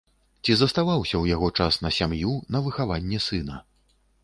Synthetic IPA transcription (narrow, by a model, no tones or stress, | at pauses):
t͡sʲizɐst̪avawsʲɐwjaɣɔt͡ʂasnɐsʲamjunɐvɨxavanʲːɛsɨnɐ